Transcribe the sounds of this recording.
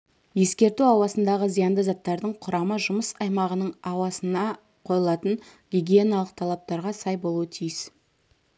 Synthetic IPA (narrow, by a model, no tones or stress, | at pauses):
je̞skʲe̞ɾt̪uɑwɑsənd̪ɑʁəzijɑnd̪əzɑt̪ːɑɾd̪əɴqʰʊɾɑməʒʊməsɑjmɑʁənəɴɑwɑsənɑ | qʰo̞jəlˠɑt̪ənɡʲiɡʲie̞nalˠəq̚t̪ʰɑlˠɑp̚t̪ɑɾʁɑsɑjbolˠuwət̪ʰijəs